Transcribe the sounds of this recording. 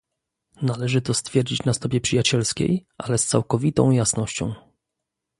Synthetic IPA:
nalɛʐɘt̪ɔst̪fʲjɛɾd͡ʑit͡ɕnast̪ɔbʲjɛpʂɘjat͡ɕɛlskʲḛjʔalɛst̪sa̰wkɔvʲit̪ɔ̰̃w̃jasnɔɕt͡ɕɔ̰̃w̃

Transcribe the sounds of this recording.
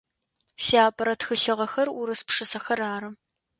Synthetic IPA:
siaːpʼɐɾɐtxɨɬɨʁɐxɐrʊɾɨspʂɨsɐxɐraːɾɨ

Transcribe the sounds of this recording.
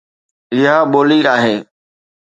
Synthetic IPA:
ɾɪɦaːɓoːliːɾaːɦeː

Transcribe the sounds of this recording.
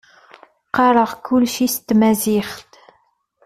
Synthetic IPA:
qɑɾˤəʁkʊlʃist̪mæziχt̪

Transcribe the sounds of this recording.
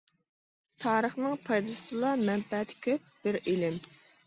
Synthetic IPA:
t̪ʰɑːɾəχnɨŋpʰɑjd̪ɨsɨlˠɑmɛmpɛt̪ʰɪ̥kʲʰøp̚b̥ɪɾelɪm

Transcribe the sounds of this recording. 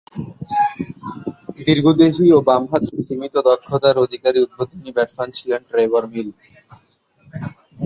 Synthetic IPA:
d̪iɾɡʱod̪eɦiobamɦat̪imit̪od̪ɔkʰːot̪aɾod̪ʱikaɾiupɾot̪inibɛbsant͡ɕʰileɳʈɾejbaɾmilbi

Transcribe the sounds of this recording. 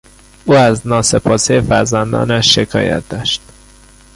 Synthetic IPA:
ʔuːæznɒːse̞pʰɒːsejfæɾzænd̪ɒ̰ːnæʃːe̞kʰɒ̰ːjæ̰t̪̚d̪ɒːʃt̪

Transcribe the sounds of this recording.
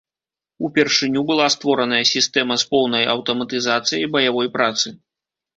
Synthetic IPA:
upʲɛrʂɨnʲubɨlˠast̪vɔɾɐnɐjɐsʲist̪ɛmɐspɔwnɐjɐwt̪ɐmɐt̪ɨzat̪sɨjɐjbɐjavɔjpɾat̪sɨ

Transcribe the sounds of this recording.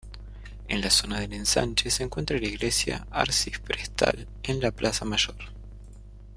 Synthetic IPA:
ḛnlaso̞naðenensa̰nt͡ʃeseŋkwe̞nt̪ɾalaiɣlesja̰aɾsiffɾest̪ʰa̰l | enlaplasamaʒ̥o̞ɾ

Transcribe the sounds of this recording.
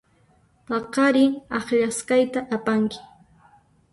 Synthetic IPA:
t̪ɑqɑɾɪŋɑχʎasqɑjt̪aʔapaŋkɪ̥

